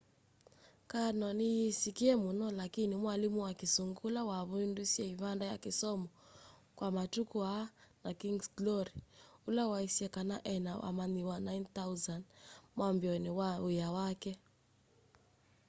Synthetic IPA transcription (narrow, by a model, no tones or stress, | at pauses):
kanɔnijisikiɛmunɔlakinimwalimuwakisuŋɡulawaβuindusiɛiβandaja̰kɪsɔmɔ | kwamatukuanakiŋɡsɡlɔɾiulawaisiɛkanaʔɛnawʔa̰maniwanajnθauzandmwambjɔniwaujawakɛ